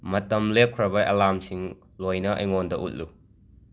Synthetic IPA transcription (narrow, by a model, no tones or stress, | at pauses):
mɐt̚ːɐmlekʰɾɐbɐjʔɐlamsiŋ | lɔjnɐʔɐ̰jŋɔndɐʔṵt̚lu